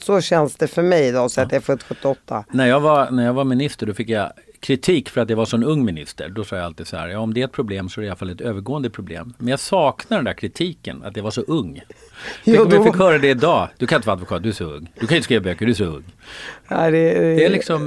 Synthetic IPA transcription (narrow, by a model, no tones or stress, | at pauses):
sɔɕɛnsd̪̥ɛfœɾmɛjd̪ɑːsɔat̪̚d̪ɛæɾft̪ːɧɵt̪ːɪɔt̪ʰːanæɾjɑːɡvaɾnæjɑvamɪnɪst̪əɖɔfɪkːjakʰɾɪt̪ʰiːkfœɾat̪javaʂɔmɛnɵŋːmɪnɪ̰st̪ə̰ɾɖɔsɑːjaalt̪iːd̪̥sa̰hæ̰ɾjɑːɔmd̪ɛɾɛt̪̚pʰɾʊbleːmsɔæɾɛɪalafalɛt̪øːvəɾɡoːənd̪əpʰɾʊblḛːmːɛnjɑsɑːknad̪ɛnd̪æɾkʰɾɪt̪ʰiːkə̰na̰t̪javaʂɔʔɵŋː | ɔmjafɪkhœːɾad̪ɛɪd̪ɑːd̪̥ɵkanjɪnt̪əad̪vʊkʰɑːt̪̚d̪ɵæʂɔɵ̰ŋːd̪̥ɵkʰanjʏnt̪əskɾiːvabøkːəɖ̪ɵæʂ̬ɔɵ̰ŋːa̰ɪd̪ɛɛælɪksɔm